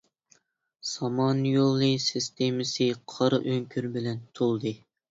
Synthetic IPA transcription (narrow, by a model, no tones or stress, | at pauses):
sɑmɑnjolˠːɨsɨst̪ʰemɨsɨqʰɑɾɨʔøŋkʲʰyɾbɪlɛnt̪ʰolˠd̪ɨ